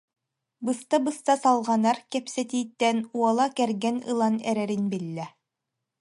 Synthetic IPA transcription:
bɯst̪abɯst̪asalˠʁɑnaɾkɛpsɛt̪iːt̪ːɛnuɔlˠakɛɾɡɛnɯ̰lˠanɛ̰ɾɛɾinbilːɛ

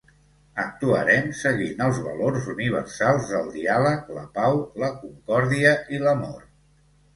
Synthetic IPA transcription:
ək̚t̪uə̰ɾɛmsəɣinəlˠzβə̰lorzuniβ̞ə̰rsalˠzðəlˠd̪ialəklə̰pawləkuŋkɔɾðiəʔiləmo̰r

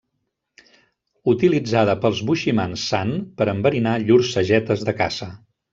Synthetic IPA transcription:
ut̪ilid͡zað̞əpəlˠzβuʃimansːanpəɾəmbəɾinaʎuɾsːəʒɛt̪əzðəka̰zə

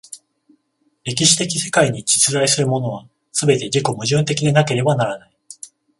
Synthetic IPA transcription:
ɾe̞k̬ʲiɕi̥t̪e̞kʲi̥se̞̥kaiɲ̟id͡ʑi̥t͡sɨzaisɨɾɯ̟mo̞no̞β̞a | sɨbe̞t̪e̞d͡ʑiko̞mɯ̟ʑɯ̃nt̪e̞kʲid̪e̞nake̞ɾe̞banaɾanai

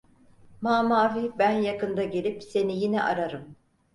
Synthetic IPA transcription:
maːmaːvibænjakɯnd̪aɟe̞lʲipse̞nijinɛ̰ʔaɾaɾɯm

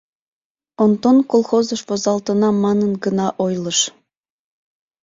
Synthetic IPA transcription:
ont̪onkolˠxozɤ̆ʃβozɑlt̪ə̆nɑmɑnənɡənɑʔojlˠɤ̆ʃ

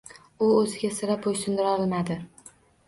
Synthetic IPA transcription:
ʊɵzɪɡʲasɪɾap̚ojsʊnd̪ɪɾɒlmad̪ɪ

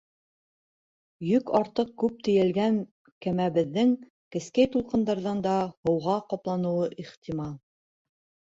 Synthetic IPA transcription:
jɵkɑɾt̪ɤq̚kʉp̚t̪ɘ̆jælɡæŋ | kæmæβɘ̆ðːɘŋ | kɘ̆skæjt̪ulˠqɤ̆nd̪ɑɾðɑnd̪ɑhɤ̆wʁɑqɑplˠɑnɤ̆wɤʔiχt̪imɑlˠ

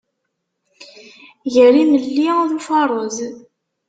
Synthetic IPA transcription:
ʝəɾiməlːiðufɑɾˤoz

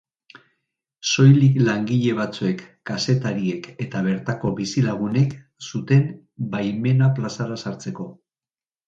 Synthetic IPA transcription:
so̞jliklaŋɡiʎe̞β̞at͡sue̞kːase̞t̪aɾie̞ke̞t̪aβ̞e̞ɾt̪ako̞βisilaɣ̞une̞k | sut̪e̞m | bajme̞naplasaɾasaɾt͡se̞ko̞

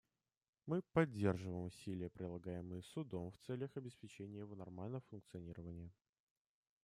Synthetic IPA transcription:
mɨpɐdʲːe̞rʐɨvəjɪmʊsʲilʲɪjəpɾʲɪlˠɐɡajɪmɨjəsʊd̪o̞mft̪sɛlʲjəxɐbʲɪspʲɪt͡ɕenʲɪjəjɪvo̞nɐrmalʲnəvəfʊnk̚t̪sɨɐnʲiɾəvənʲɪjə

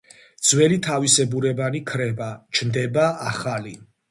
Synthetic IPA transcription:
d̪z̥wɛlit̪ʰavisɛbuɾɛbanikʰɾɛbat͡ʃʰnd̪ɛbaaχali

